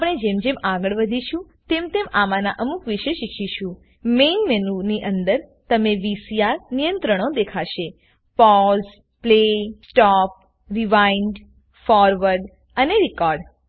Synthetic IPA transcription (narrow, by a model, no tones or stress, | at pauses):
apəɽ̃ed͡ʒemd͡ʒemaɡəɭʋəd̪ʱiʃũ | t̪emt̪emamanaʔəmukʋiʃeʃikʰiʃũ | menmenuniʔənd̪əɾt̪əmeʋisijaɾnijə̃nt̪ɾəɽ̃od̪ekʰaʃe | pɔz | plesʈɔp̚ | ɾiʋainɖ | fɔɾʋəɾɖ | əneɾikɔɾɖ